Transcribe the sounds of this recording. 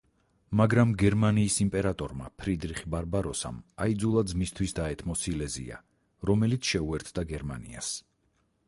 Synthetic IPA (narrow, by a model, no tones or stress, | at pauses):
maɡɾamɡɛɾmaniːsimpʼɛɾat̪ʼɔɾma̰pʰɾid̪ɾiχbaɾbaɾɔsa̰maid̪zulˠad̪zmist̪ʰwisd̪aɛt̪ʰmɔsilɛzḭa̰ | ɾɔmɛlit̪sʰʃɛuɛɾt̪ʰd̪aɡɛɾmanḭa̰s